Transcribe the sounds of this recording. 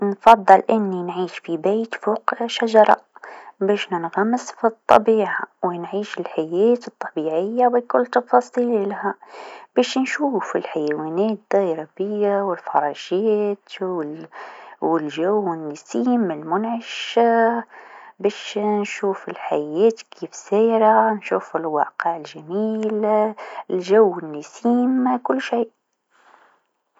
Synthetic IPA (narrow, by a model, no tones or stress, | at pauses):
nfɑd̪ˤːɨlʔɪnːinʕiːʃfibeːt̪foːqʃaʒɑɾˤɑ̰beːʃnɪnɣamːɪsfit̪ˤːɑ̰biːʕawɪnʕiːʃɪlħajeːt̪ɨt̪ˤːɑbiːʕɪjːawikʊlːt̪ɑfɑːsˤiːllahab̥eːʃnʃuːfɪ̰lħajeweːneːt̪̚d̪ɑjɾˤɑbɪjːawɪlfɑɾˤɑːʃeːt̪ | wɪlʒawɪnːɪsiːmːlmʊnʕaʃ | beːʃnʃuːfɪlħajːeːt̪kʰiːfseːɾanʃuːfɪlwɑ̰ːqɪʕɪlʒamiːl | lʒawːɪnːɪsiːmkʊlːʃiːʔ